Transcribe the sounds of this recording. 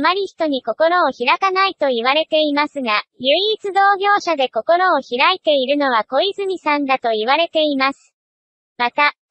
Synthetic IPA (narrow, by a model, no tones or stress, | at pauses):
maɾʲiçi̥t̪o̞ɲ̟iko̞ko̞ɾo̞ːçiɾakanait̪o̞iβ̞aɾe̞t̪e̞imasɨɡajɯ̟iːt͡sɨd̪o̞ːɡʲo̞ːɕad̪e̞ko̞ko̞ɾo̞ːçiɾait̪e̞iɾɯ̟no̞β̞ako̞izɨɲ̟isãnd̪at̪o̞iβ̞aɾe̞t̪e̞imasɨ̥ | mat̪a